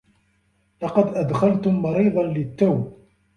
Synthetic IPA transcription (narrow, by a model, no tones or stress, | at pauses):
lɑqɑd̪ʔad̪xalt̪ʊmːɑɾiːd̪ˤɑnlɪt̪ːawb